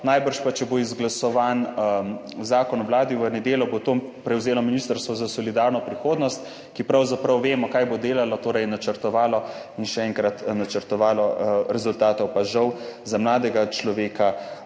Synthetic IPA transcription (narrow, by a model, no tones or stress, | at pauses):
najbəɾʃpat͡ʃɛboizɡlasɔʋan | zaːkɔnɔwlaːd̪iʋənɛd̪eːljɔbot̪opɾɛwzeːlɔminist̪əɾst̪ʋɔzasɔlid̪aːɾnɔpɾixoːd̪nɔst̪ | kipɾawzapɾɐwʋeːmɔkaːjbod̪eːlalɔt̪oːɾɛjnat͡ʃəɾt̪ɔʋaːlɔinʃɛɛŋkɾat̪nat͡ʃəɾt̪ɔʋaːlɔɾɛzult̪aːt̪ɔwpaʒɐwzamlaːd̪ɛɡat͡ʃlɔʋeːka